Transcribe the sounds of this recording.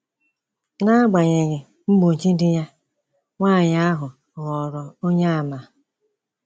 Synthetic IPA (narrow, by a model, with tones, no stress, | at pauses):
na˦ɡ͡ba˨ɲe˨ɣɪ˨ | ŋ͡m̩˦ɡ͡bo˨n̩˨t͡ʃi˦dɪ˦ja˦ | ŋʷaː˦˨ɲa˦a˦ɦʊ˨ | ɣɔ˨ɾɔ˨o˦ɲa˦a˨ma˨